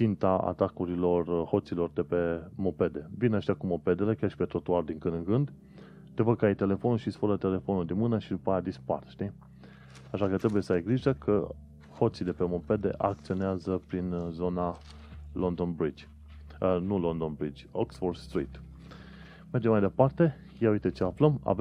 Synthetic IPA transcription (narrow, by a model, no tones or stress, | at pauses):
t͡ʃint̪aa̰t̪akuɾilo̞rho̞t̪silo̞rd̪e̞pe̞mope̞d̪e̞vinaʃt̪akumo̞pe̞d̪ele̞kʲjarʃi̥pe̞t̪o̞t̪oard̪iŋkɨnd̪ɨŋɡɨnd̪ | t̪e̞vəɡ̚kəajt̪e̞le̞fo̞nulʃisfəɾət̪e̞le̞fonuld̪imɨnəʃid̪upajad̪ispa̰rʃt̪i | aʃakət̪ɾebuje̞səajɡliʒəkʰə | ho̞t̪sid̪e̞pe̞mo̞pe̞d̪e̞̰ʔak̚t̪sio̞neazəpɾinzo̞na | lo̞nd̪o̞nbɾid͡ʒʲ | nulo̞nd̪o̞nbɾid͡ʒʲoksford̪st̪ɾḭt̪ | merd͡ʒemːajd̪epart̪e̞ | jauijt̪ət͡ʃeafləma̰v